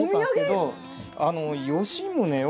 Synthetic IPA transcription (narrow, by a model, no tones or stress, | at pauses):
ãsked̪o | ano̞joɕĩmɯne